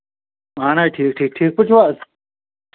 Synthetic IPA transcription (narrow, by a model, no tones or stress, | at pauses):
maːnajʈʰiːk̚ʈʰiːk̚ʈʰiːk̚pʊt͡ʃʰwaːs